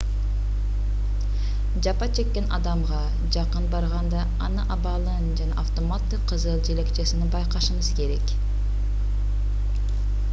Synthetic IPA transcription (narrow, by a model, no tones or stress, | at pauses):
d͡ʒɑpɑt͡ʃʰe̞kːe̞nʔɑ̰d̪ɑmʁɑ | d͡ʒɑqɯnbɑɾʁɑnd̪ɑ | ɑnɯʔɑbɑlˠɯnd͡ʒɑnɑʔaft̪o̞mat̪ːɯqʰːɯzɯlˠd͡ʒe̞le̞kt͡ʃe̞sininbɑjqɑʃɯmɯzke̞ɾe̞k